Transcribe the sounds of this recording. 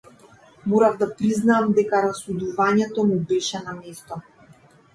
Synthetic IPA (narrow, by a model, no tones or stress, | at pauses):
mɔɾavd̪apɾiznaːmd̪ɛkaɾasud̪uvaɲɛt̪ɔmubɛʃɛnamɛst̪ɔ